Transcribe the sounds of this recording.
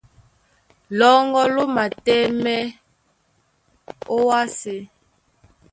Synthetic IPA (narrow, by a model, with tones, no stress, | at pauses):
lɔ˦ŋɡɔ˦lo˦ma˨tɛ˦mɛ˦ | o˦wa˦se˦